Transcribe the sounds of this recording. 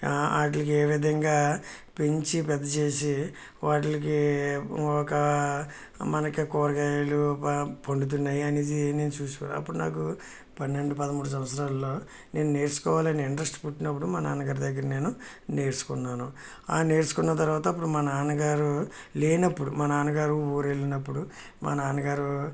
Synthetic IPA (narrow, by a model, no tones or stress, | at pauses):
a̰ːʈ̬lɐk̬ieːʋid̪ʱɐŋɡaːpeɲt͡ʃipɛd̪ːɐt͡ʃe̞ːs̬i | ʋaːʈ̬lɐki | ɔkɐ | mɐnɐkikɔːɾɐɡaːjlupoɳɖut̪̬unːaːjiɐneːd̪ine̞ːnut͡ʃuːsuʋa̰ːɐ̰pːuɽuna̰ːk̬u | pɐnːe̞ɳɖupɐd̪ɐmuːɽus̬ɐʋɐsɐɾaːlːo̞ː | ne̞ːnune̞ːɾsu̥kɔːʋaːlɐniiɳɖɾɐsʈpuʈːinɐp̬ːuɽumɐnaːnɐɡaːɾd̪ɐɡːɐɾɐne̞ːnu | ne̞ːɾsu̥kunːaːnu | aːne̞ːɾsu̥kunːɐt̪ɐɾʋaːt̪ɐɐp̬ːuɽumɐnɐaːnɐɡaːɾu | leːnɐpːuɽumɐnɐaːnɐɡaːɾuoːɾelinɐpːuɽu | mʔɐ̰nɐaːnɐɡaːɾu